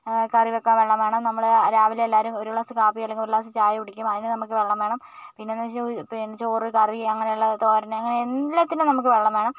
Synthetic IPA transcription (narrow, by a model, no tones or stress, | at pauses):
kɐriʋokːaːʋe̞ɭːɐmeːɳɐmnɐmːɐɭɾaːʋilelːaːɾumoɾuɭasɨkaːpːijɐlːeŋɡiloɾuɭaːs̬ɨt͡ɕaːjɐpuɽikʲːumɐðinɨnɐmukːɨʋeɭːɐmʋe̞ːɳɐm | pinːenːɐmpint͡ɕoːrikɐriɐŋːɐne̞juɭːɐt̪oːɾɐnɐŋːɐneenlɐt̪ːinɨnɐmuk̬ːɨʋe̞ɭːɐmʋeːɳɐm